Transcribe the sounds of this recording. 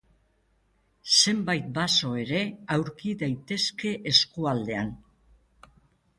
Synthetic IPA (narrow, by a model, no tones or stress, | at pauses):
se̞mbajt̪̚baso̞e̞ɾe̞awɾkiðajt̪e̞ske̞ʔeskuald̪e̞an